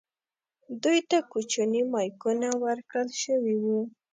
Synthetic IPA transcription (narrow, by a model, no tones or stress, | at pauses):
d̪ujt̪akut͡ʃanimɑjkunawəɾkɽəlʃəwiwu